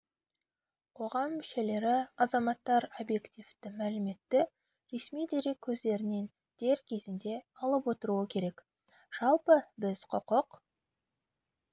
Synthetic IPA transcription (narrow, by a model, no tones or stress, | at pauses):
qʰo̞ʁɑmːʏʃe̞le̞ɾɪɑzɑmɑt̪ːɑɾo̞bje̞kt̪ʲift̪ɪmælɪme̞t̪ːɪ | ɾe̞smijd̪e̞ɾe̞kʲʰːɵzd̪e̞ɾɪne̞n | d̪̥e̞ɾkʲʰe̞zɪnd̪e̞ɑlˠəpwo̞t̪əɾuəkʲʰe̞ɾe̞k | ʒ̥ɑlˠpəbɪz̥qʰʊqəq